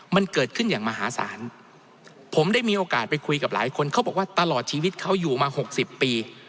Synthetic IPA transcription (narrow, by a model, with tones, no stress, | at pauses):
ma˧nkɤː˨˩t̪̚kʰɯ˥˩njaː˨˩ŋmaː˧ɦaː˨˩˦sa̰ː˩˦n | pʰo˩˦mda˥˩jmiː˧ʔoː˧kaː˨˩t̪̚pa˧jkʰu˧jka˨˩p̚la̰ː˩˦jkʰo˧nkʰa˦˥wbɔː˨˩k̚waː˥˩t̪a˧lɔː˨˩t̪̚t͡ɕʰiː˧wi˦˥t̪̚kʰa˦˥wjuː˨˩maː˧ho˨˩k̚si˨˩pːiː˧